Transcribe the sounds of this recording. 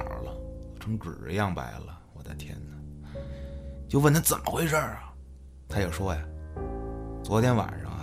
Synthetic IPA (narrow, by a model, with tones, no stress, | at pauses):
lə̰˧o˧˩ʊʈ͡ʂʰɤ˧˥ŋʈ͡ʂɻ̩˨˩jɑ˥˩ŋpa˧˥ɪlə˧wɔ˨˩t͡sa˥˧ɪt̪ʰjɛ̰˥nə˨ | t͡ɕjo˥˧ʊwə˥˩nt̪ʰa˥t͡sə̰˨˩mʔə˦xwe˥ɪʂə˥˩ | t̪ʰa˥jɛ˨˩ʊʂwɔ˥ja˨ | t͡swɔ˧˥t̪jɛ˧˥nwa̰˨˩nʂɑ̰˥ŋ˧